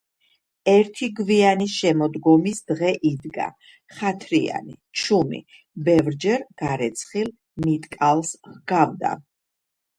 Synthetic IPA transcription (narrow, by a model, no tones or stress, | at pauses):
ɛɾt̪ʰiɡvianiʃɛmɔd̪ɡɔmisd̪ʁɛʔid̪ɡa̰ | χat̪ʰɾia̰nḭt͡ʃʰumḭ | bɛvɾd͡ʒɛɾɡ̥aɾɛt̪sʰχil | mit̪ʼkʼalˠsχɡavd̪a̰